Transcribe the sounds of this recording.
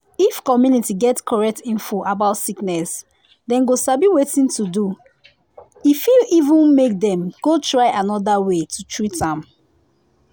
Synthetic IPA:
ifkɔmjunitiɡɛtskʰɔɹɛk̚tĩnfoʔabaʊtsiknɛs | dɛ̃nɡosabiwetĩntudu | ifilivũnmek̚dɛ̃mɡ̥otɹaɪʔanɔdawetʰutʰɹitãm

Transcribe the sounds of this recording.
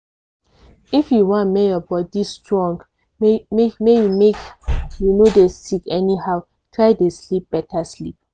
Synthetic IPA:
ifjuwɔ̃nmejɔbɔdistɹɔ̃ŋɡ | mejumekjunodesikɛnihaʊ | tʰɹaɪdeslip̚b̥ɛtʰaslip̚

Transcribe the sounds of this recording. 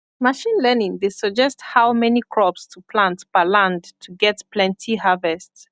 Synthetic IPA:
maʃĩnlɛnĩŋdesəd͡ʒɛsthaʊmɛnikʰɹ̥ɔpstʰupʰlãntb̥əlãndtʰuɡɛtpʰlɛ̃ntʰiɦavɛsts

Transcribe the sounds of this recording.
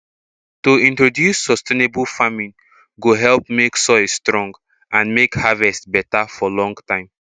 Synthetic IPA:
toĩntɹodjusːɔstenebulfamĩn | ɡoɦɛlp̚meksɔɪsstɹɔ̃ŋɡ | ʔãnmekhavɛstbɛtafɔlɔ̃ŋɡtãɪ̃m

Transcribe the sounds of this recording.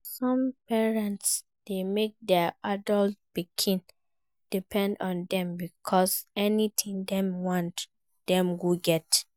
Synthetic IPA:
sɔ̃mpɛɹɛ̃nts | d̥emek̚dɛadɔlt̚pikʰĩn | d̥ipʰɛ̃ndɔ̃ndɛ̃mbikʰɔsɛnit̪ʰĩŋdɛ̃mwɔ̃nt | d̥ɛ̃mɡuɡɛt

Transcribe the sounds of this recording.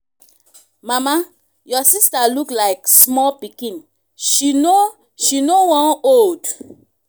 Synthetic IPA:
mama | jɔsistaluklaɪksmɔlpikĩn | ʃino | ʃinowɔ̃nold

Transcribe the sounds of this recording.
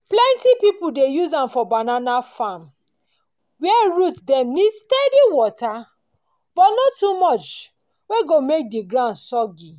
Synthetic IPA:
plɛ̃ntipipudejuzãmfɔbananafãm | wɛɹutdɛ̃mnistɛdiwɔta | bɔtnɔtːumɔt͡ʃ | weɡomek̚diɡɹãʊ̃ndsɔɡi

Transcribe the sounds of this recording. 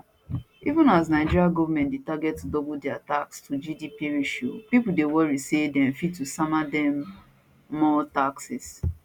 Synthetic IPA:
ivũnas̬naɪd͡ʒiɹiaɡɔvamɛ̃ntdetaɡɛt̚tːudɔbldɛatakstʰud͡ʒidipiɹiʃopipudewɔɹisedɛ̃mfitusamadɛ̃mː | ɔtaksɪs

